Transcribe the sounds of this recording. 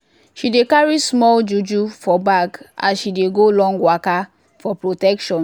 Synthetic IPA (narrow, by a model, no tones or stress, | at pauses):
ʃidekaɹismɔld͡ʒud͡ʒufɔbaɡa̰sʃideɡolɔ̃ŋɡwaka | fɔpɹotɛkʃɔ̃n